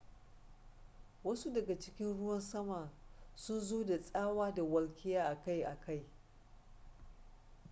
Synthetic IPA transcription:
wɐ˦su˦dɐ˨ɡa˨t͡ʃɪ˦kʲɪ˦nɽʊ˦wɐ˦nsɐ˦ma˨sʊ˦nzoː˦da˨sʼaː˦waː˦da˨wɐ˦lkʲɪ˦jaː˦ʔa˨ka˦jʔa˨ka˦˨j

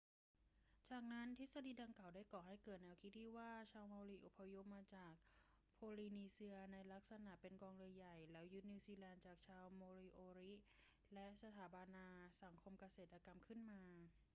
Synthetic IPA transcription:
t͡ɕaː˨˩k̚na˦˥nt̪ʰi˦˥sa˧diː˧da˧ŋka˨˩wdaː˥˩jkɔː˨˩ɦa˥˩jkɤː˨˩t̪̚nɛː˧wkʰi˦˥t̪̚ːʰiː˥˩waː˥˩t͡ɕʰaː˧wmoː˧ɾi˦˥ʔo˨˩pʰːa˧jo˦˥p̚maː˧t͡ɕaː˨˩k̚ | pʰoː˧liː˧niː˧si˧ɐna˧jla˦˥k̚sa˧na˨˩pe˧nkɔː˧ŋɾɯ˧əja˨˩jlɛ˦˥wjɯ˦˥niː˧siː˧lɛː˧nt͡ɕaː˨˩k̚t͡ɕʰaː˧wmoː˧ɾiː˧ʔoː˧ɾi˦˥ | lɛ˦˥ʔsa˧t̪ʰaː˩˦ba˧naː˧sa˩˦ŋkʰo˧mka˧seː˨˩t̪̚ʔa˧ka˧mkʰɯ˥˩nmaː˧

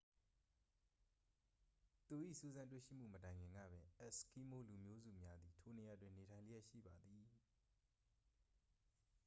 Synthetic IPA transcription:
t̪u˨ʔḭ˦˨su˦˨zã˦nt̬wḛ˦˨ʃḭ˦˨m̥ṵ˦˨mətã˨ɪ̃ŋɡɪ̃˨ŋɡä̰˦˨bɛ̃˨˦ʔɛ˦ʔski˦mo˦lu˨mjo˦zṵ˦˨mja˦d̪i˨tʰo˦ne˨ja˨dwɪ̃˨ne˨tʰã˨ɪ̃lə˦jɛ˦ʔʃḭ˦˨ba˨d̪i˨

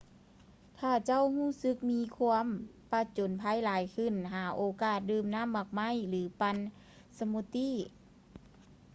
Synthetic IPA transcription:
t̪ʰaː˧˩t͡ɕa˥˨whuː˥˩˨sɯ˧˦k̚miː˧˥kʰu˧əm | pa˧˥t͡ɕo˨˦npʰaː˧˥˨jlaː˨˦jkʰɯ˧˩˨nɦaː˨˩˦ʔoː˧˦kaː˧˩t̪̚dɯː˧˩mna˧˥˨mːa˧˩k̚ma˧˥˨jlɯː˨˦pa˧n | sa˧mu˧t̪i˧˥˨

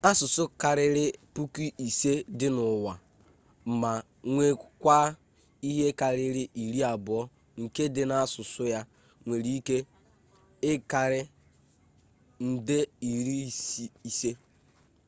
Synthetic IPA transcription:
a˦sʊ˨sʊ˦ka˨ɾɪ˦ɾɪ˦pu˦ki˦i˨se˦dɪ˦nʊ˨wa˨ | m̩˨ma˨ | ŋʷe˦kʷa˦ | i˦ɦe˦ka˨ɾɪ˦ɾɪ˦ʔi˨ɾi˦a˨bʊ˨ɔ˦ | ŋ̩˨ke˦dɪ˨na˦a˦sʊ˨sʊ˦ja˦ | ŋʷe˨ɾi˦ke˦ | ɪ˦ka˨ɾɪ˦ | n̩˨dɪ˦i˨ɾi˦˨si˨se˦

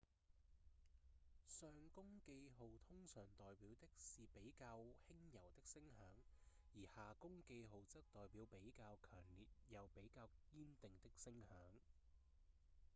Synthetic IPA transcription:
sœː˧ŋkʊ˥ŋke˧jɦo˨wt̪ʰʊ˥ŋsœː˨˩ŋt̪ɔː˨jpiː˨˥wt̪ɪ˥k̚siː˨pe˨˥jkaː˧whɪ˥ŋjɐ˨˩wt̪ɪ˥k̚sɪ˥ŋhœː˨˥ŋjiː˨˩haː˨kʊ˥ŋke˧jɦo˨wt͡sɐ˥k̚t̪ɔː˨jpiː˨˥wpe˨˥jkaː˧wkʰœː˨˩ŋliː˨t̚jɐ˨˧wpe˨˥jkaː˧wkiː˥nt̪ɪ˨ŋt̪ɪ˥k̚sɪ˥ŋhœː˨˥ŋ

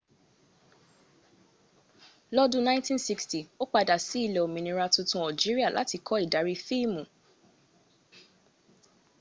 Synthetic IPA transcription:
lɔ˦dũ˧nã˦ntĩ˦nsi˦ksti˨o˦k͡pa˧da˨si˨˦i˦˨le˨o˨mĩ˨nĩ˧˦ɾa˧tu˧tũ˧˦ɔ˨d͡ʒi˨˦ɾi˦a˦˨lʔa̰˨˦ti˧kʰɔ˦i˨da˨˦ɾi˦˧fi˦˨mũ˨

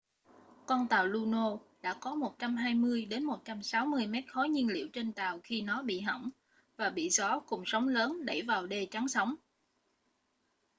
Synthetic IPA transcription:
kɔ˧nt̪aː˨˩wlu˧no˧ɗa̰ː˧˥kɔ˨˦mo˨˩t̚t͡ɕa˧mɦaː˧jmɨ˧əjɗe˨˦nmo˨˩t̚t͡ɕa˧msaː˨˦wmɨ˧əjmɛ˦˥t̚xɔ˨˦jɲi˧ənlḭ˧˩əwt͡ɕe˧nt̪aː˨˩wxi˧nɔ˨˦ɓḭ˧˨ɦə̰˧˩wŋ͡m | vaː˨˩ɓḭ˧˨zɔ˨˦kʊ˨˩ŋ͡msə˨˦wŋ͡mləː˨˦nɗə˧˩jvaː˨˩wɗe˧˩t͡ɕa˨˦ŋsə˨˦wŋ͡m

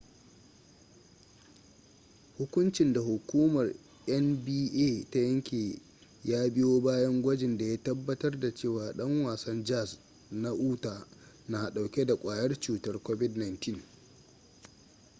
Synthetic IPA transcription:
hʊ˦kʷʊ˦nt͡ʃɪ˨nda˨hʊ˨kʷuː˦mɐ˨r | ʔɐ˦nbiː˦ʔeː˦˨ta˦jɐ˦ŋkʲeː˨ | jaː˦bɪ˦joː˦baː˦jɐ˦ŋɡʷɐ˦d͡ʒɪ˨nda˨ja˦tɐ˦bːɐ˦tɐ˦rda˨t͡ʃeː˦˨waː˨ɗɐ˦ŋwaː˨sɐ˦nd͡ʒa˦˨s | na˦ʔuː˦taː˨ | na˨ɗa˨wkʲe˦da˨kʷʼaː˨jɐ˦rt͡ʃuː˨tɐ˦rkʷoː˦bɪ˦dna˨jntɪ˦˨n

